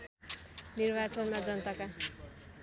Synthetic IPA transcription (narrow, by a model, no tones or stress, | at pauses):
nirbat͡sʌnmad͡zʌnt̪aka